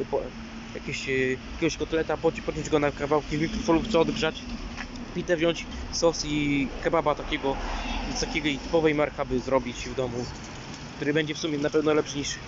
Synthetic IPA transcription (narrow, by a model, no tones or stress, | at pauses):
pɔ | jakʲeɕjakʲɛɡɔɕkɔt̪ɛlɛt̪apɔpɔɲɔ̃d͡ʑɡɔnakavawkʲivmʲikɾɔfɔnupt̪sɔɔd̪ɡʐat͡ɕ | pʲid̪ɛvʑɔɲt͡ɕsɔsikababat̪akʲɛɡɔsakʲɛɡɔjt̪ɘ̥pɔvɛjmaɾkabɘzɾɔbʲit͡ɕvd̪ɔmu | kkt̪uɾɘbɛɲd͡ʑɛfsumʲjɛnapɛvnɔlɛpʂɘɲiʂ